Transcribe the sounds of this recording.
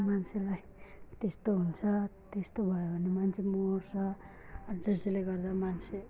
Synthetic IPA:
mant͡sʰelaj | t̪est̪oɦunt͡sʰʌt̪est̪obʱʌjobʱʌnːemant͡sʰemort͡sʰʌ | ʌɖresleɡʌrd̪amant͡sʰe

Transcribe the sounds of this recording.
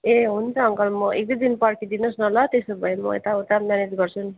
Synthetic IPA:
eɦunt͡sʰʌʌŋkʌlmʌʔek̚d̪ʌd̪inpʌrkʰid̪inʌsnʌlʌt̪esobʱʌemʌ̰ḛt̪aut̪amjaned͡zɡʌrt͡sʰun

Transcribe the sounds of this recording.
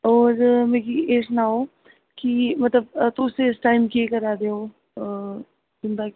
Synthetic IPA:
ɔːɾmẽːkieːʈnaɦoː | kimɐt̪ləbt̪oʊseɪsʈaːɪmkiekɐɾaːd̪eoː | d͡ʒʊnd̪a

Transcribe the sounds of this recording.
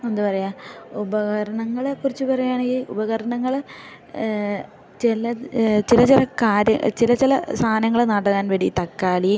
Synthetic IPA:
enːupɐrɐjaːubɐɣɐɾɐɳɐŋːɐɭkurit͡ɕːɨpɐrɐjujaːɳeŋɡilubɐɣɐɾɐɳɐŋːɐɭ | t͡ɕelɐt͡ɕilɐt͡ɕilɐkaːɾjɐ̰t͡ɕilɐt͡ɕilɐst̪ʰaːnɐŋːɐɭnɐɽɐkːaːnʋeɽit̪ɐkːaːli

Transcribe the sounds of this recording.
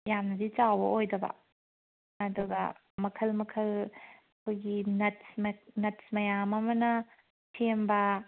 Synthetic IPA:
jamnɐdit͡ʃawbɐʔojdɐbɐ̰ | ɐduɡɐ̰ | mɐkʰɐlmɐkʰɐlɐkʰojɡinɐtsmnɐtsmɐjamɐmɐnɐ | tʰembɐ

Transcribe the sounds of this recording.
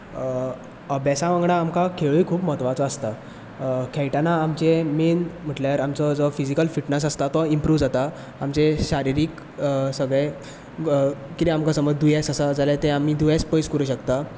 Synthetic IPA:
əbɛsãʋãŋɡɽãːmkakʰeɭuikʰuːpmɔɦət̪ʋat͡sɔəst̪a | kʰɛjʈanaːmt͡ɕemenm̤əʈljaɾamt͡sɔd͡zɔfid͡ʑikəlfiʈnəs̬ast̪at̪ɔimpɾuːʋd͡zat̪aː | mt͡seɕaɾiɾiːk | səɡɭe | kit̪iamkasəməd͡zd̪ujasasad͡zaljat̪eamiːd̪ujaspəjskəɾuːɕəkt̪a

